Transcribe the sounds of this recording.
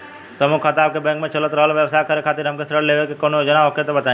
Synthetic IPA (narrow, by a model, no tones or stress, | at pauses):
sɐmukʰːat̪aːp̚kebɛ̃ːŋkmẽt͡ʃɐlət̪ɾəɦəlʋjəʋsaːjkəɾekʰaːt̪iɾɦɐmkesɾəɽleːʋekekoːnojod͡ʒənaɦoket̪obɐt̪aːẽ